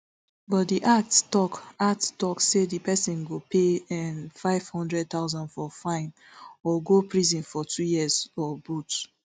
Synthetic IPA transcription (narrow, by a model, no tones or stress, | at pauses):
bɔtdiʔattɔkattɔksedipʰɛsĩnɡopʰeɛ̃nfaɪv̥hɔ̃ndɹɛd̚t̪aʊzɔ̃nfɔfãɪ̃n | ɔɡopɹizĩnfɔtʰujiɛzɔbut